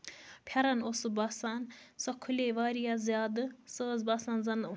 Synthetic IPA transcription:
pʰjɐɾɐnosubaːsaːnsɔkʰːuleːʋaːɾijazʲjaːd̪ɨsəːzbaːsaːnzɐn

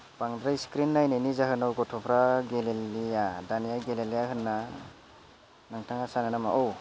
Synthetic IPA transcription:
paŋdɾajskɾinːajnajnizaɦɯnawɡɔtʰɔpʰɾaɡelelijadanijaɡelelijaɦɯnːa | naŋtʰaŋasananamaʔɔw

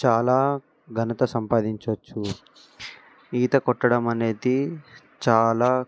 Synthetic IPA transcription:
t͡ʃaːlaː | ɡʱɐnɐt̪ɐsɐmpaːd̪iɲt͡ʃot͡ʃːu | iːt̪ɐkɔʈːɐɽɐmɐne̞ːd̪i | t͡ʃaːlaː

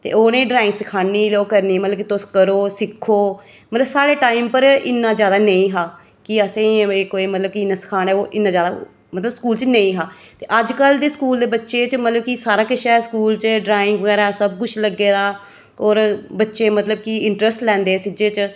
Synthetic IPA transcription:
t̪ḛːoːnẽːɖɾaːɪŋɡsəkʰaːnːiːloːkəɾniːmət̪ləbkit̪oskəɾoːsɪkʰːoː | mət̪ləbsaːɽeːʈaːimpəɾɪ̰nːãːzjaːd̪aːnəĩːɦaː | kɪəsẽekoːiːmət̪ləb̚kiɪnãːsɪ̥kʰaːnɛːoːʔɪnːãːzjaːd̪a̰ː | mət̪ləbskuːlt͡ʃnəĩːɦaː | t̪eːʔəd͡ʒkəld̪eːskuːld̪eːbətːʃeːt͡ʃmət̪ləb̚kisaːɾaːkɪʃaɛskuːlt͡ʃɖɾaːɪ̃ŋɡʋəɡɛːɾaːsəbkʊt͡ʃʰləɡːeːd̪aː | oːɾbətːʃeːmət̪ləb̚kiɪɳʈɾəsʈlɛ̃ːnd̪eːsɪd͡ʒeːt͡ʃ

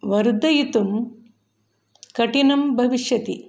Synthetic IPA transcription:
ʋɐɾd̪ɐjit̪um | kɐʈinɐmbʱɐʋiʂjɐt̪i

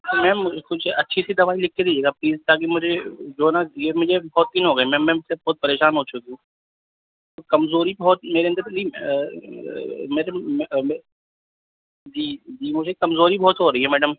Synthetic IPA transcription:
mɛ̃ːʊkʊt͡ʃʰɐtːʃʰisid̪ɐʋaːilɪkʰːed̪iːd͡ʒeːɡapliːzt̪aːk̬imʊd͡ʒʱed͡ʒoːnajemʊd͡ʒʱebɔːt̪̚ːɪnɦoːɡɐimɛ̃ːmɛ̃sebɔːt̪̚pɐɾeːʃaːnɦoːt͡ʃʊkiũː | t̪okɐmzoːɾibɔːt̪̚meːɾeɐnd̪əɾli | meːɾe | d͡ʒiːd͡ʒiːmʊd͡ʒʱekɐmzoːɾibɔːt̪ɦoɾɐɦiɦɛmɛːɖəm

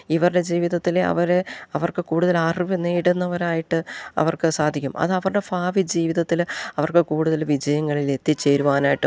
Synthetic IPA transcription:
iʋɐrɽe̞d͡ʑiːʋiðɐt̪ːilɐ̰ʋɐɾeɐʋɐrkɨkuːɽuðɐlaːriʋineːɽunːɐʋɐɾaːjiʈːɨɐ̰ʋɐrkɨsaːd̪ʱikʲːumɐ̰ðɨɐʋɐrɨɽe̞faːʋid͡ʑiːʋiðɐt̪ːilɐʋɐrkɨkuːɽuðɐlʋid͡ʑɐjɐŋːɐɭile̞t̪ːit͡ɕːe̞ːɾuʋaːnaːjiʈːɨ

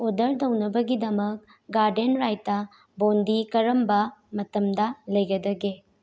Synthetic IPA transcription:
odɐɾdɐwnɐbɐɡidɐmɐk̚ | ɡaɾdenɾajtːɐ | bondikɐɾɐmbɐmɐtɐmdɐlɐjɡɐdɐɡe

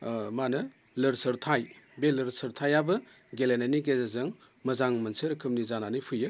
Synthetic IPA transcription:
manɐ | lɐɾsɐɾtʰajbelɐɾsɐɾtʰajabɐ | ɡelenaniɡezazɐŋ | mɐzaŋmɐnsɐɾɐkʰɯmnizananipʰɯjɯ

